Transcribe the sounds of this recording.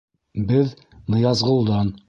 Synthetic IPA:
bɘð | nɤ̆jɑzʁɤ̆lˠd̪ɑn

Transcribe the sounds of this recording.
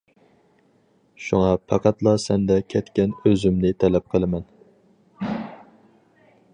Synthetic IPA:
ʃuŋɑpʰɑqʰæt̪lˠɑsɛnd̪ɛkʲʰɛt̪kʲɛnøzymnɪt̪ʰɛlɛp̚qʰəlˠɨmɛn

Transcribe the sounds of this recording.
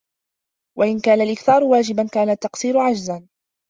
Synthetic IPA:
wʔaʔɪnkaːnalʔɪkθɑːɾʊwaːd͡ʒɪbankaːnat̪ːɑqsiːɾʊʕad͡ʒzan

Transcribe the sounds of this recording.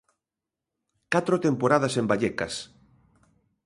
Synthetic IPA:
kat̪ɾot̪empoɾaðasembaʎɛkɐs

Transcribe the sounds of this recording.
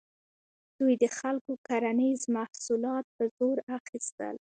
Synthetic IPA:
d̪̥ujd̪əxalkokaɾanizmahsulɑt̪̚pəzoɾaxist̪ə̰l

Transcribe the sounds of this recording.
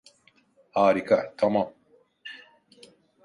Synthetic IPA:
haːɾikat̪ʰɐmaːm

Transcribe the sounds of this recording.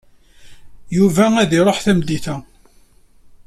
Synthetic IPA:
juvææðiɾˤoħθæmd̪iθæ

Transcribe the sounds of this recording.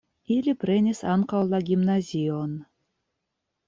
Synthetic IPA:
ilʲiprʲenʲesɑnqɑlˠːɑɡʲimnazʲijon

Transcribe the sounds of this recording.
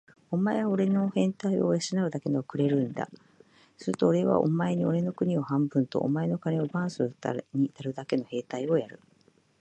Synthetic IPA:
o̞mae̞βao̞ɾe̞no̞hẽ̞nt̪aio̰jaɕinaɯ̟d̪ake̞nookɯ̟ɾe̞ɾɯ̟̃nd̪a̰ | sɨɾɯt̪o̞ːɾe̞βa̰ʔo̰mae̞ɲ̟io̞ɾe̞no̞kɯ̟ɲ̟io̞hãmbɯ̟̃nt̪o̞̰ʔːmae̞no̞kaneo̞bãɰ̃sɨt̪a̰ɲ̟inaɾɯ̟d̪ake̞no̞he̞ːt̪aio̞jaɾɯ̟

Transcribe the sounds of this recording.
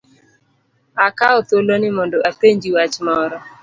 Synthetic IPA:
akaɔt̪olonɪmɔndoʔapeɲd͡ʒiwat͡ʃmɔɾɔ

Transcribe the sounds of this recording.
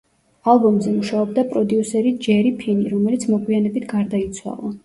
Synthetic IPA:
alˠbɔmzɛmuʃaɔb̚d̪apʼɾɔd̪iusɛɾid͡ʒɛɾipʰiniɾɔmɛlit̪sʰmɔɡwianɛbit̪ʰɡaɾd̪ait̪sʰwa̰lˠa

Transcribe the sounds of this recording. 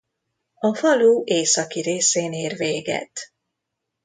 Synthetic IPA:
ɒfɒluːʔeːsɒkiɾeːseːneːrveːɡɛ̰t̪

